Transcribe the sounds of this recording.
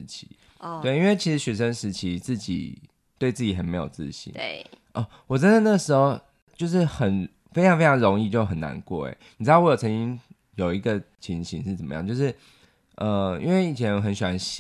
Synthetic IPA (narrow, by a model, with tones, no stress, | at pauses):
t͡ɕʰi̥̰˧˦ | t̪we˥˩ɪi˥nwe˥˩t͡ɕʰi˧˥ʂɻ̩˧˥ɕɥɛ˨˩ʂə˦nʂɻ̩˧˥t͡ɕʰi˧˥t͡sɹ̩˥˩t͡ɕḭ˨˩ | t̪we˥˧ɪt͡sɹ̩˥˩t͡ɕi˨˩xə˧˥˩nme˧˥ɪjo˨˩t͡sɹ̩̰˥˧ɕḭ˧˥nʔə˥˧˩ | wɔ˨˩ʈ͡ʂə˥nd̪ə˨na˥ɡə˩ʂɻ̩˧˥xo˧ʊ | t͡ɕjo˥˧ʊʂ̬ɻ̩˥˩xə˨˩n | fe˥ɪɑ˧ŋfe˥ɪɑ˧ŋɻo˧˥ŋi˥˧t͡ɕjo˥˩ʊxə˨˩na̰˧˦nkwɔ̰˥˩ḛ˨˩ni˨˩ɻ̩˧˥ɑ˥˩wjo˨˩ʊt͡sʰə˧˦nt͡ɕi˥ŋ | jo˨˩ʊi˧˥ɡə˨t͡ɕʰi˧˥ŋɕi˧nʂɻ̩˥˩t͡sə˨˩mə̰˦jɑ̰˥˨ŋt͡ɕjo˥˧ʊʂɻ̩˥˩ | ʔə˧ḭ˥nwe˥˩ɪi˨˩t͡ɕʰjɛ˧˦n˧˩xə˧˦nɕy˨˩wa˧˦nɕ